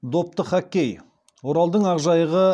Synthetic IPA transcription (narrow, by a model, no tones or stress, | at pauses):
d̪o̞p̚t̪əχækʲːej | woɾɑlˠd̪əɴɑʁʒɑjəʁə